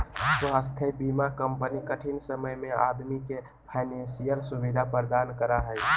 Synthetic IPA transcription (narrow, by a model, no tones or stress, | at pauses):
t̪oɦəst̪ʰebimakəmpənikəʈʰinsəməjmẽa̰d̪mike | pʰaɪnẽnsijəɾsubid̪ʱapəɾd̪ankəɾaɦəj